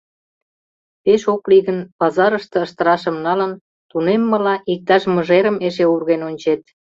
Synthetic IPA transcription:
peʃokliɣənpɑzɑɾəʃt̪ə̆əʃt̪ə̆ɾɑʃə̆mnɑlən | t̪unemːə̆lɑʔik̚t̪ɑʃmə̆ʒeɾə̆meʃeurɣenonʲt͡ɕet̪̚

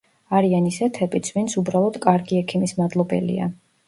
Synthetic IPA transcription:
aɾianisɛt̪ʰɛbʼit̪sʰvint̪sʰubɾalˠɔd̪̥kʼaɾɡiɛkʰimismad̪lˠɔbɛ̰lḭa̰

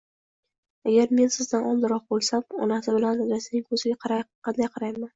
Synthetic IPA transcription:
aɡʲaɾme̞nsɪzd̪anɒmˠd̪ɪɾɒqbolˠsamɒ̰nasɪbɪlanad̪ɾasɪnɪŋkʰɵzɪɡʲaqʰɑɾajqʰːɑnd̪ajqʰɑɾajman

